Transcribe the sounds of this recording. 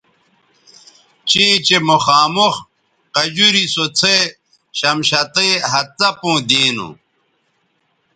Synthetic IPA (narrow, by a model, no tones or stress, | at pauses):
t͡ɕit͡ɕemoxaːmox | qɐd͡ʑuɾisot͡sʰe | ɕɐmɕɐt̪eɦɐt̪ɐpũːd̪iːnṵ̃